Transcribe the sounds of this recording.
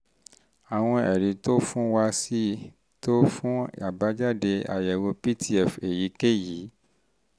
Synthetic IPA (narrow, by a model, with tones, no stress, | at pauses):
a˨w̃ɔ̃˧ɛ̰˨ɾĩ˨˦to˦fũ˦wa˧si˦ | to˦fũ˦a˨ba˨˦d͡ʒa˦˨de˧a̰˨jɛ˨wo˧pi˦ti˦ɛ˨fe˨ji˨˦ke˦˨ji˨˦